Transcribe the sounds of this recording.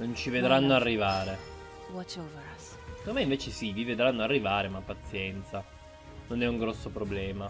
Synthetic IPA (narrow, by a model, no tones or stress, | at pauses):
nont͡ʃived̪ɾanːoarːivaːɾe | vɔt͡ʃeuvɾas | k̪omɛiɱveːt͡ʃesivived̪ɾanːoarːivaːɾemapːat̪sːjɛnt̪sa | nonɛuŋɡɾɔsːopɾoblɛːma